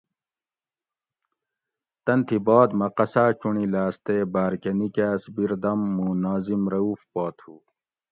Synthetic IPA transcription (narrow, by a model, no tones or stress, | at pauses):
t̪ɐnt̪ʰibaːd̪mɐqɐsaːt͡ɕuɳilaːst̪eːbaːɾkɐnikaːsbiɾd̪ɐmːunaːzimɾɐuːfpaːt̪ʰuː